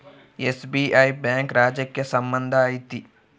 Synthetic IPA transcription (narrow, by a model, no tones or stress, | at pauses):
esbiːʔaːibɛ̃ːŋkɾaːd͡ʒjəkːesɐmbə̃nd̪ʱaːit̪i